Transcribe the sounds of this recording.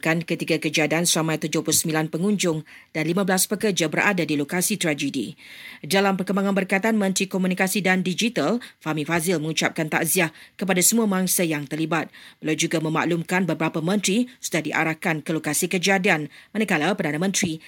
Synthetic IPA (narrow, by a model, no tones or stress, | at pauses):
kankət̪iɡakəd͡ʒadiansəɾamãjt̪ud͡ʒʊhplʊusəmbilanpəŋũɲd͡ʒʊŋ | d̥anlimãblaspəkərd͡ʒabəɾʔa̰dadilokasit̪ɾad͡ʒədḭdalampərkəmbaŋanbərkajt̪aanmə̃nt̪ɾikomũnikasidandid͡ʒit̪alfamĩfazɪlmə̃ŋut͡ʃap̚kant̪a̰ʔziahkəpadasəmũamaŋsajaŋt̪ərlibat̪̚bəlawd͡ʒuɡamə̃ma̰ʔlumkanbəbɾapamə̃nt̪ɾisudahdiʔa̰ɾahkankəlokasikəd͡ʒadianmãnəkalapərdanamə̃nt̪ɾi